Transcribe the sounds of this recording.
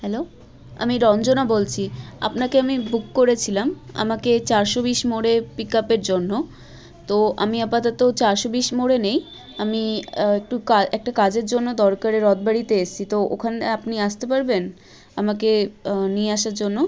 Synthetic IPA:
hɛlo | a̰miɾɔnd͡ʑonabolt͡ɕʰia̰pnakeamibukːoɾet͡ɕʰilama̰maket͡ɕaɾʃobiʃmoɽepikapeɾd͡ʑonːo | t̪oa̰miapat̪at̪ot͡ɕaɾʃobiʃmoɽenej | amiek̚ʈukaɛk̚ʈakad͡ʑeɾd͡ʑonːod̪ɔɾkaɾeɾɔd̪̚baɾit̪eeʃt͡ɕʰit̪oʔokʰaneapniaʃt̪epaɾben | amakenijeaʃaɾd͡ʑonːo

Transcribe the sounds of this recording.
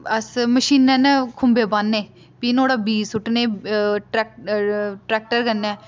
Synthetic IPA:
əsməʃiːnɛːnɛːkʰʊmbeːbanːeː | piːnoːɽaːbiːsʊʈnẽːʈɛːk̚ | ʈɾɛːk̚ʈəɾkənːɛː

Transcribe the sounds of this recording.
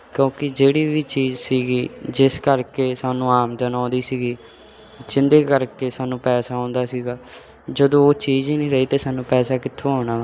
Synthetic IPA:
kjõːkɪd͡ʒeːɽiːʋiːt͡ʃiːd͡ʒsiːɡiːd͡ʒɪskəɾkeːsaːnũːaːmd͡ʒənaɔ̃ːd̪iːsiːɡiː | t͡ʃɪnd̪eːkəɾkeːsaːnũːpɛːsaːɔ̃ːnd̪aːsiːɡaː | d͡ʒəd̪õːoːt͡ʃiːd͡ʒinĩːɾəiːt̪eːsaːnũːpɛːsaːkɪt̪ʰːõːɦoːɽaː

